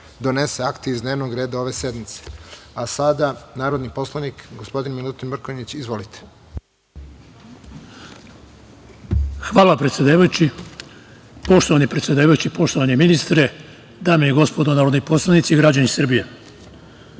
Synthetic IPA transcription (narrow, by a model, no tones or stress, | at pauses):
d̪o̞ne̞seakt̪eizd̪ne̞ːʋnoɡɾe̞ːd̪ao̞ʋe̞se̞d̪mit̪se̥asad̪anaːɾod̪nipo̞slˠanikɡospo̞d̪inmilˠut̪inmr̩koɲit͡ɕizʋolit̪ʰe̥ | xʋaːlˠapɾet̪sʲjed̪aːʋajut͡ɕi | po̞ʃt̪oanipɾet̪sʲjed̪aːʋajut͡ɕipo̞ʃt̪oʋaneminist̪ɾe | d̪aːmejiɡo̞spo̞d̪onaːɾo̞d̪nipo̞slˠanit̪siːɡɾad͡ʑanisr̩bije̞